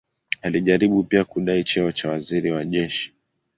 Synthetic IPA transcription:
aliʄaɾiɓupiakuɗait͡ʃɛɔt͡ʃawaziɾiwaʄɛʃi̥

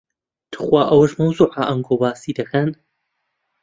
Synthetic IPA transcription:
t̪ʰɨ̥xwaːʔɐwɐʃmɐwzuːʕaʔɐŋɡoːbaːsiːd̪ɐkʰɐn

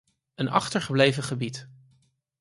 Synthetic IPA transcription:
ənɑ̰χtəɹχəblejvəχəbit

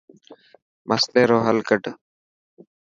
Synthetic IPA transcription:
mʔəst̪eːɾoːɦəlkəʈ

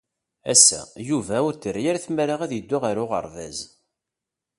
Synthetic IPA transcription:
æ̰sːæ̰juvæʊɾt̪ːəɾjaɾæθməɾaʁæðjəd̪ːʊʁaɾʊʁə̰ɾˤvæz

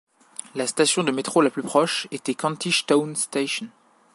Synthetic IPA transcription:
last̪asjɔ̃d̪əmet̪χolaplypχɔʃet̪ɛkɑ̃t̪iʃt̪ɔnst̪eʃɔn

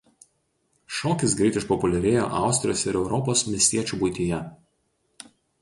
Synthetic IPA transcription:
ʃɔːkʲɪsɡɾʲɛˑɪt̪ʲɪʃpɔpʊlʲɛɾʲeːjo̰ːʔɑˑʊsʲt̪ɾʲɪjoːsʲɪɾɛʊɾɔpoːsmʲɪsʲt̪ʲiɛt͡ʃʲuːˑbʊɪt̪ʲijɛ

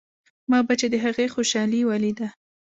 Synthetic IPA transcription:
mɑbat͡ʃed̪əɦaɣexoʃɑliwalid̪a

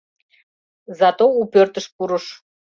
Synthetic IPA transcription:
zɑt̪oupørt̪əʃpuɾəʃ

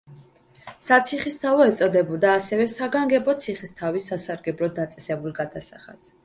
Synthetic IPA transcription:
sat̪sʰiχist̪ʰavɔɛt̪sʼɔd̪ɛbɔd̪aːsɛvɛsaɡaŋɡɛbɔt̪sʰiχist̪ʰavisːasaɾɡɛbɾɔd̪ːat̪sʼɛsɛbulˠɡad̪asa̰χa̰t̪s

